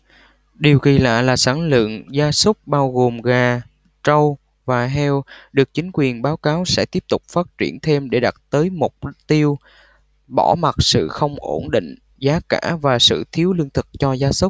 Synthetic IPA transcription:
ɗi˨˩əwɣi˨˩la̰ː˧˨laː˨˩saː˧˩ŋlɨ̰˧˨ŋzaː˨˦sə˦˥k͡p̚ɓaː˧wɣo˨˩mɣaː˨˩ | t͡ɕə˧w | vaː˨˩ɦɛ˧wɗɨ˨˩ək̚t͡ɕï˨˦ŋ̟kwi˨˩ənɓaː˨˦wkaː˨˦wsɛ̰˧˥t̪i˦˥əp̚t̪ʊ˨˩k͡p̚faː˦˥t̚t͡ɕi˧˩ənt̪ʰe˧mɗe˧˩ɗa˨˩t̚t̪əː˨˦jmo˨˩t̚t̪i˧əw | ɓɔ˧˩ma˨˩t̚sɨ̰˧˨xə˧wŋ͡mʔo˧˩nɗḭ˧˨ŋ̟ | zaː˨˦ka̰ː˧˩vaː˨˩sɨ̰˧˨t̪ʰi˨˦əwlɨ˧əŋt̪ʰɨ˨˩k̚t͡ɕɔ˧zaː˨˦sə˦˥k͡p̚

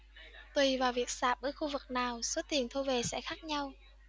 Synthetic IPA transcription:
t̪wi˨˩vaː˨˩wvi˨˩ək̚saː˨˩p̚ʔəː˧˩jxu˧vɨ˨˩k̚naː˨˩wso˨˦t̪i˨˩ənt̪ʰo˧ve˨˩sɛ̰˧˥xaː˦˥k̚ɲa˧w

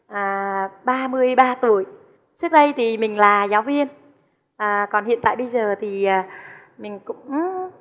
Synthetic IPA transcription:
ʔaː˨˩ɓaː˧mɨ˧əjɓaː˧t̪u˧˩əj | t͡ɕɨ˦˥ək̚ɗə˧jt̪ʰi˨˩mï˨˩ŋ̟laː˨˩zaː˨˦wvi˧ən | ʔəː˨˩kɔ˨˩nɦḭ˧˨ənt̪a̰ː˧˨jɓə˧jzəː˨˩t̪ʰi˨˩ʔaː˨˩ | mï˨˩ŋ̟kʊ̰˧˥ŋ͡m

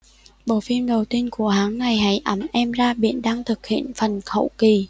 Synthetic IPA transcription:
ɓo̰˧˨fi˧əmɗə˨˩wt̪i˧ənku˧˩əɦaː˨˦ŋːa˨˩jɦa̰˧˥jʔə˨˩˦mʔɛ˧mzaː˧ɓḭ˧˨ənɗaː˧ŋt̪ʰɨ˨˩k̚hḭ˧˨ənfə˨˩nxə̰˧˥wki˨˩

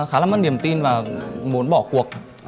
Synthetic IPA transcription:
xaː˨˦la˨˩mə˧˥nɗi˨˩əmt̪i˧nvaː˨˩mu˨˦nɓɔ̰˧˩ku˨˩ək̚

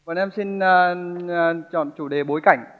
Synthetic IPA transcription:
ɔ˨nʔɛ˧msi˧nː˧ | t͡ɕɔ̰˧˨nt͡ɕu˧˩ɗe˨˩ɓo˨˦jka˧˩jŋ̟

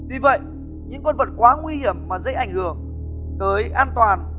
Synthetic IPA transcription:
vi˨˩və̰˧˨j | ɲɨ̰˧˥ŋkwə˧nvə˨˩t̚kwaː˨˦ŋwi˧hi˧˩əmːaː˨˩zə̰˧˥jʔa̰˧˩jŋ̟hɨ˨˩əŋ | t̪əː˨˦jʔaː˧nt̪waː˨˩n

